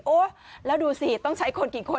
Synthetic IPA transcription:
ʔo˧˦laː˨˧˦ɗu˨˩si˨˩t̪ɔ˧˦ŋt͡ɕa˧˦jkʰo˧˨˩nki˧˩kʰo˨˧˩

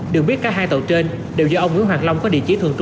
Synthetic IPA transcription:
ɗɨ˨˩ək̚ɓi˦˥ət̚kaː˨˦˥ɦhaː˧jt̪ə˨˩wt͡ɕe˧n | ɗe˨˩wzɔː˧ʔə˧wŋ͡mŋw̰ŋwaː˨˩t̚la˧wŋ͡mkɔ˨˦ɗḭ˧˨t͡ɕi˨˧˦t̪ʰɨ˧˩əŋt͡ɕʊ˧

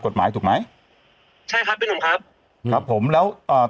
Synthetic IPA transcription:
ko˨˩t̪̚maː˩˦jt̪ʰu˨˩k̚ma˦˥j | t͡ɕʰa˥˩jkʰa˦˥p̚ːe˧nt̪ʰu˨˩˦ŋkʰa˦˥p̚ | kɾa˦˥pʰːo˩˦mlɛː˦˥wʔəː˨˩

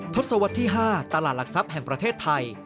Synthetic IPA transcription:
t̪ʰo˦˥t̪̚sa˧wa˦˥t̪ʰːiː˥˩ɦaː˥˩t̪a˧laː˨˩t̪̚la˨˩k̚sa˦˥p̚hɛ˨˩ŋpɾa˧t̪ʰeː˥˩t̪ʰːa˧j

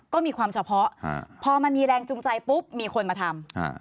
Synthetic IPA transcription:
kɔː˥˩miː˧kʰwaː˧mt͡ɕʰa˧pʰɔ˦˥pʰɔː˧ma˧nmiː˧ɾɛː˧ŋt͡ɕu˧ŋt͡ɕa˧jpu˦˥p̚miː˧kʰo˧nmaː˧t̪ʰa˧m̰˧˩

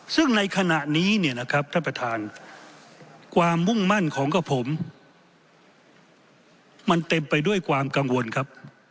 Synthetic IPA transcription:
sɯ˥˩ŋna˧jkʰa˧na˨˩ʔniː˦˥ni˥˩ɐna˦˥kʰa˦˥p̚t̪ʰaː˥˩pɾa˧t̪ʰaː˧n | kʰwaː˧mːu˥˩ŋma˥˩nkʰɔː˩˦ŋkʰa˧˥˩pʰo˩˦m | a˧nt̪e˧mpa˧jdu˥˩əjkʰwaː˧mka˧ŋwo˧nkʰa˦˥p̚

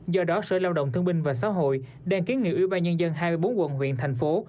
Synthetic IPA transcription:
zɔ˧ɗɔ˨˦sə̰ː˧˨laː˧wɗə̰˧˨wŋ͡mt̪ʰɨ˧əŋɓï˧ŋ̟vaː˨˩sa̰ː˧˥ɦo̰˧˨j | ɗaː˧ŋki˨˦ənŋḭ˧˩wi˧˩ɓaː˧nɲə˧nzə˧nɦaː˧mɨ˧jɓo˨˦nkwə̰˧˨nɦwḭ˧˨ənt̪ʰɛ˨˩jŋ̟fo˨˦

